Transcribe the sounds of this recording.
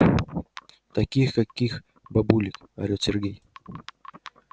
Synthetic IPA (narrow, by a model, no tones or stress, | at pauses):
t̪ɐkʲixkakʲːix | bɐbulʲɪk | ɐ̰ɾʲosʲerɡʲej